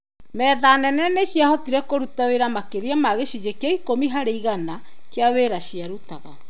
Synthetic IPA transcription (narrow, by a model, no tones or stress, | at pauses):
mɛðanɛnɛneɕjahɔtiɾɛkoɾutaweɾamakeɾeamaɣeʃid͡ʒekeaikomiɦaɾeiɣanakeaweɾaɕjaɾutaɣa